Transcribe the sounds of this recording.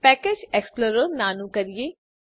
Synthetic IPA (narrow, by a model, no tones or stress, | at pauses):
pɛːkeːd͡ʒɛksploɾoɾnaːnũkəɾijeː